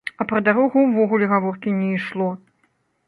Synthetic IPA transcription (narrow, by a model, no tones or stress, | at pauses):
ɐpɾɐd̪aɾɔɣuwvɔɣulʲɛɣavɔrkʲinʲɛiʂlˠɔ